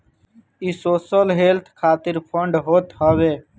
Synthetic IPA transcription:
isoːsəlɦeːlt̪ʰkʰaːt̪ɪɾpʰəɳɖɦoːt̪ɦəʋeː

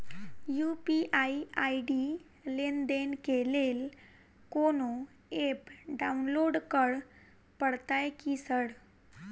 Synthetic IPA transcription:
jupiʔaiaiɖi | lend̪enkelel | kono | epɖaunloɽkəɽ | pəɽt̪ajkisəɽ

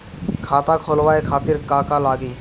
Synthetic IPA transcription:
kʰat̪akʰɔlwaekʰat̪iɾkakalaɡi

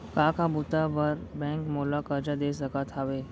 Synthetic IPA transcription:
kãkʰabut̪aʋəɾbɛ̃ŋkmolakəɾd͡ʑad̪esəkat̪ʰaʋe

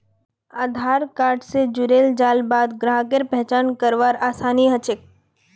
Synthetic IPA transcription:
aːd̪ʱaːɾkaːɾɖsed͡ʒʊɾeːld͡ʒaːlbaːd̪ɡɾaɦkeɾpɛɦt͡ʃaːnkəɾʋaːɾaːsaːniɦət͡ʃɪk̚

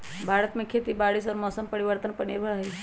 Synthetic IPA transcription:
bʱaːɾət̪mẽkʰeːt̪ibaːɽisɔːɾmɔːsəmpəɾiʋəɾt̪ənpənibʱaɦɛ

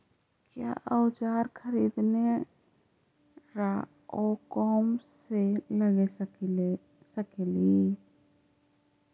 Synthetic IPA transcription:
kja̰ːʔəwt͡ʃaːɾkʰəɾiːd̪ne | ɾa | oːkɔːmseləɡe | səkelie

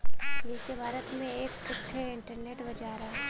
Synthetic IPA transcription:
likebʱaːɾət̪mẽeːkkʊt̪ʰːeɪ̃ɳʈəɾneːʈbɐd͡ʒaːɾaːɦ

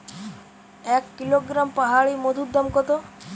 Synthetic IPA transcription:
ɛkːiloɡɾampaɦaɭimod̪ʱud̪ːamkɔt̪o

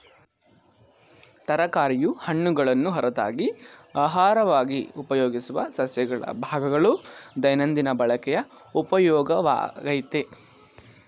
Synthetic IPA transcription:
t̪ɐɾɐkaːɾijuhɐɳːuɡɐɭɐnːuɦɐɾɐd̪a̰ːɡiaːɦaːɾɐʋaːɡiupɐjoːɡisuʋɐ̰sɐsjɐɡɐɭɐ̰bʱaːɡɐɡɐɭud̪ɐjnɐnd̪inɐbɐɭɐkɛjɐ | upɐjɔːɡɐʋa̰ːɡɐjt̪e

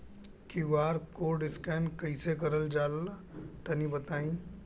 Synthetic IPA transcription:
kiʋaːɾkoːɖɪskɛːnkɐisekɐɾəld͡ʒaːl | t̪ɐnibɐt̪aːĩː

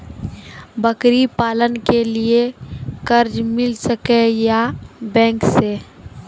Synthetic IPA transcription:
bəkɾipaːlənkeliekəɾd͡ʒmɪlsəkejabɛ̃ːŋkse

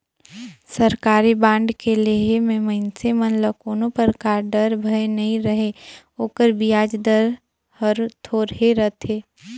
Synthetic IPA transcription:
səɾkaːɾibãːɳɖkeleɦemẽmɐɪnsemənləkoːnõpəɾkaːɾɖəɾbʱəenɐɦĩɾəɦe | oːkəɾbijaːd͡ʒd̪əɾ | həɾt̪ʰoːɾɦeɾət̪ʰeː

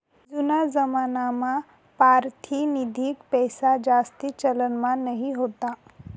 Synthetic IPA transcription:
d͡ʒunazəmaːnama | paɾt̪ʰinid̪ʱikpɛjsad͡ʒast̪it͡ʃələnmanəɦiɦot̪a

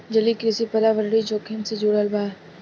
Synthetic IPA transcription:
d͡ʒɐlikɾɪsipɐɾaʋəɾɽid͡ʒoːkʰɪnsed͡ʒuɽəlbaːɾ

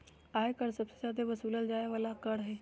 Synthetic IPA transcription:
aɦekəɽsəbsezjad̪eʋəsuləld͡ʒajaʋalakəɽɦe

